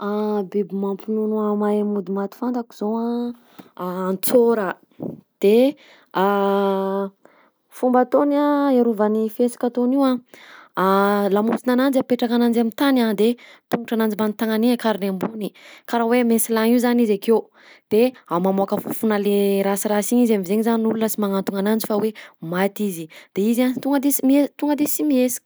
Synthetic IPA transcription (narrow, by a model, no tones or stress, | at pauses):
abibimampinunuamajamud̪imat̪i̥fand̪aku̥z̥oa | nt͡soɾə | d̪̥e | a | fumbat̪onaeɾuvanifiesḁkʲat̪oniwa | lamusinanand͡ʒapeʈ͡ʂakanand͡ʒamint̪anad̪et̪uŋuʈ͡ʂanand͡ʒimanit̪aŋaniakaɾinambunikaɾawemensilaŋiuzanizakew | d̪̥eamamoakəfufunaleɾasiɾasiɲizamizeɲizaninulunəsimaŋant̪uŋanand͡ʒifawemat̪izid̪̥eizant̪uŋɡəd̪isimiet̪uŋɡəd̪isimiesi̥k